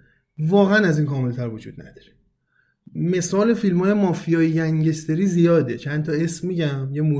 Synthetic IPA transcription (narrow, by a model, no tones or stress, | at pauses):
vɒːɣeænæziːnkɒːme̞lt̪ʰæɾvod͡ʒṵːd̪̚næ̰d̪̥ɒ̥ːɾe | me̞sɒːle̞filmɒːje̞mɒːfijɒːjejæŋɟest̪e̞ɾiːzijɒːd̪e̞t͡ʃʰænt̪ʰɒe̞smːiːɟæmjemu